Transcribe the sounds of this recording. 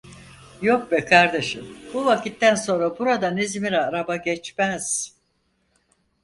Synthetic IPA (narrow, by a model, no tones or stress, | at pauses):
jok̚bɛkʰaɾd̪eʃɯmbuvakit̪ːænso̞nɾabuɾad̪anizmiɾɛːɾabaɟɛt͡ʃmæz̥